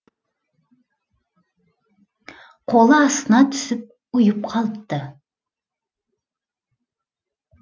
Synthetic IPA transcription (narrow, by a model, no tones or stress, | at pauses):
qʰolˠəɑst̪ənɑt̪ʰʏ̥sʏp̚ | ujʊp̚qʰɑlˠəp̚t̪ə